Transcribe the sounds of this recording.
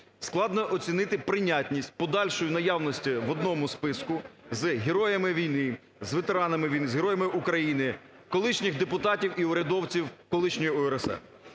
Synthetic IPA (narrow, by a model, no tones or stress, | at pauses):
sklˠɑd̪nɔʔɔt͡sʲinɪt̪ɪpɾɪnʲatʲnʲisʲt̚ʲpɔd̪ɑlʲʃɔjʊnɐjawnɔsʲtʲiʋɔd̪nɔmʊspɪskʊzɦeɾɔjɐmɪʋʲijnɪ | zʋet̪eɾɑnɐmɪʋʲijnɪzɦeɾɔjɐmɪʔukɾɐjinɪ | kɔlˠɪʃnʲɪɣd̪epʊt̪ɑtʲiwiʊɾʲɐd̪ɔwt͡sʲiwkɔlˠɪʃnʲɔjiɔɛɾɛsɛ̰